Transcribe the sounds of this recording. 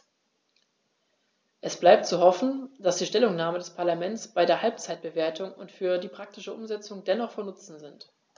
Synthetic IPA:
ʔɛsb̥laɪp̚tt͡suɦɔfn̩d̥asd̥iːʃtɛlʊŋnaːmədɛspʰaɐlamɛnt͡sb̥aɪdeːɐɦalp̚t͡saɪt̚b̥əveːɐtʰʊŋʊ̰ntfyːɐdiːpʁ̥ak̚tɪʃəʔʊmzɛt͡sʊŋdɛnɔχfɔɐnʊt͡sn̩zɪnt

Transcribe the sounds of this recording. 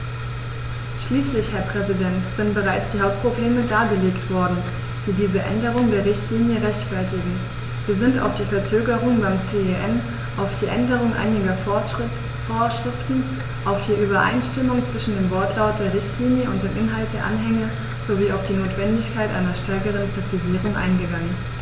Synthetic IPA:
ʃliːslɪçhɛɐpʁ̥ɛzidɛntz̥ɪntb̥əʁaɪt͡sd̥iːɦaʊp̚t̚pʁ̥obleːmədaːɡəleːktv̥ɔɐdn̩ | d̥iːdiːzəʔɛ̰ndəʁ̞ʊŋdeːɐʁɪçtʰliːnjəʁɛçtfɛɐtɪɡŋ̩ | viːɐzɪnta̰ʊfd̥iːfɛɐt͡søːɡəʁ̞ʊŋbaɪmt͡seːeʔɛn | ʔaʊfd̥iːʔɛndəʁʊŋʔa̰ɪnɪɡɐ | foːɐʃʁ̥ɪftn̩ | ʔaʊfd̥iːʔyːbɐʔa̰ɪnʃtɪmʊŋt͡sv̥ɪʃn̩deːmvɔɐtʰlaʊt̚d̥eːɐʁɪçtliːnjəʊnt̚d̥eːmʔɪnɦalt̚d̥eːɐʔa̰nɦɛŋə | z̥oviːaʊfd̥iːnoːtv̥ɛndɪçkʰaɪtʔa̰ɪnɐʃtʰɛɐkəʁ̞ənpʁ̥ɛt͡siziːʁʊŋʔa̰ɪnɡəɡaŋən

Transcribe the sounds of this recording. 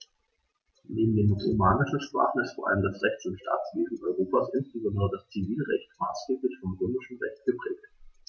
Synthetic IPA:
neːbm̩deːnmʊslimaːnəʃn̩ʃpʁ̥a̰ːχn̩ɪstfoːɐʔa̰ləmdasʁɛçtʊntʃtʰa̰ːt͡sv̥eːzn̩ʔɔʏʁoːpasʔɪnsb̥əzɔndəʁədast͡siviːlʁɛ̰çtmaːsɡ̥eːplɪçfɔmʁøːmɪʃn̩ʁɛçt̚ɡ̥əpʁ̥ɛːk̚t

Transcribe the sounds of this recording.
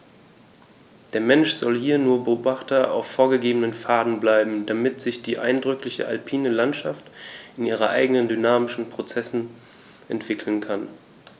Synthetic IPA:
d̥eːɐmɛnʃz̥ɔlhiːɐnuːɐbəoːbaχtɐʔa̰ʊfoːɐɡəɡeːbənənfaːdn̩blaɪbm̩damɪtz̥ɪçd̥iːʔa̰ɪndʁʏklɪçə̰ʔa̰lpʰiːnəlantʃaftɪnʔiːʁ̞ɐʔa̰ɪɡənəndynaːmɪʃn̩pʁ̥ot͡sɛsn̩ | ʔɛntv̥ɪkʰl̩n̩kʰan

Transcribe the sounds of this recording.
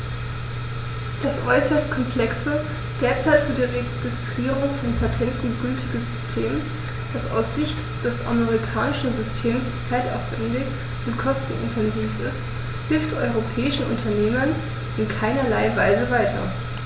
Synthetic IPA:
d̥asʔɔʏsɐstkʰɔmpʰl̥ɛksə | d̥eːɐt͡saɪtfyːɐdiːʁeɡ̥ɪstʁ̥iːʁʊŋfɔnpʰatʰɛntn̩ɡʏltʰɪɡəsz̥ʏstʰeːm | d̥asa̰ʊsz̥ɪçt | d̥ɛsa̰meʁikʰaːnɪʃn̩zʏstʰeːmst͡saɪta̰ʊfv̥ɛndɪç | ʔʊntkʰɔstn̩ɪ̰ntʰɛnziːfɪst | hɪlftʔɔ̰ʏʁ̞opʰɛːɪʃn̩ʔʊ̰ntʰɐneːmɐn | ɪnkʰaɪnɐlaɪvaɪzəvaɪtʰɐ̰

